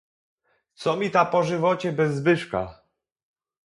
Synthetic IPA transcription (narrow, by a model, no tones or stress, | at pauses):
t̪sɔmʲit̪apɔʐɘvɔt͡ɕɛbɛzːbɘʂka̰